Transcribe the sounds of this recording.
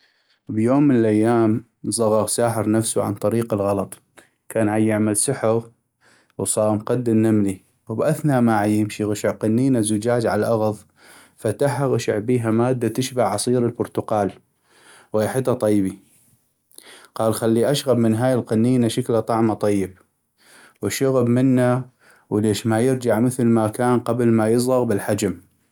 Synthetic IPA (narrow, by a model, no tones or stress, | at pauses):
bjoːmːənəlʔajːaːm | zˤɑɣɑɣsaːħɪɾnafsuʕa̰nt̪ˤɑɾiːqɪlɣɑlɑt̪ˤ | kaːnʕajːɪʕmalsʊħɪɣ | wsˤɑːmqad̪ːɪnnamli | wbʔaθnamaʕajːɪmʃiɣaʃɪʕqɑnːiːnazʊd͡ʒaːd͡ʒʕalʔaɣðˤ | fat̪aħaɣaʃɪ̰ʕbiːɦamaːd̪ːat̪ɪʃbaʕʕɑsˤiːɾəlbʊɾt̪ʊqɑːl | waħɪt̪ːat̪ˤɑjːbi | qɑːlxalːiʔaʃɣabmɪnɦaːjɪlqɑnːiːnaʃaklat̪ˤɑʕmat̪ˤɑjːɪb̚ | wɪʃʊɣabmɪnːa | wleːʃmajɪɾd͡ʒaʕmɪθlmakaːnqɑblmajɨsˤɣɑɣbɪlħad͡ʒam